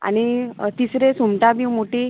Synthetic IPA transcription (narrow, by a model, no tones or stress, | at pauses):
a̰ɽ̃it̪isɾesumt̪abimoʈi